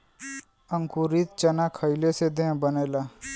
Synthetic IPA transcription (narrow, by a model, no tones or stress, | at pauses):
əŋkuɾit̪t͡ʃɐnakʰəjlesed̪ẽbəneːla